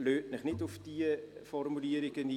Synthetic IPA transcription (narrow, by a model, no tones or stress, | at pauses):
løːt̚nəχnitɔfdiəfɔrmyliəɾikəndi